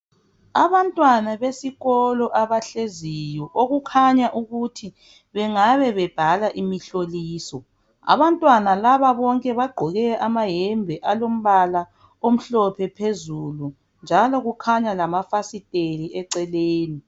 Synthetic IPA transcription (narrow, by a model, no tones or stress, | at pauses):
a̰βantʼwanaβesiɣɔlɔʔaβaɬezijɔʔoɣukʰaɲaʔuɣutʰi | βɛŋaβɛβɛb̥ʱalaʔimiɬoliːsɔ | a̰βantʼwanalaβaβɔŋkʼɛβaɡ͡ǃʱɔɣɛʔamaɦɛmbʱɛʔalom̩βala | om̩ɬɔpʰɛpʰezulu | nd͡ʒʱalɔɣukʰaɲalamafasitʼeliʔɛǀɛleːni